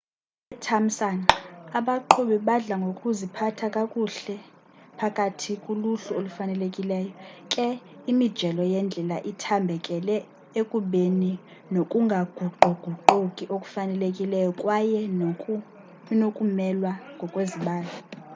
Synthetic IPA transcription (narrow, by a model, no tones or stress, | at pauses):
ɛtʰam̩sanaɓaǃʰuɓiɓaɮaŋɡʱokʼuzipʰatʰakʼakʼuɬɛ | pʰakʼatʰikʼuluɬuolufanɛlekʼilɛːjɔkʼɛ | imid̥ʒ̥ʱɛlɔjɛnd͡ɮʱɛla̰ʔitʰambʱɛkʼɛlɛ | ekʼuɓeni | nokʼuŋɡʱaɡ̥ʱuɡ͡ǃʱɔɡ͡ǃ̥ʱuǃukʼiʔokʼu̥fanɛlekʼilɛjɔkʼwajɛ | nokʼumɛlwaŋɡʱɔkʼweziɓaːla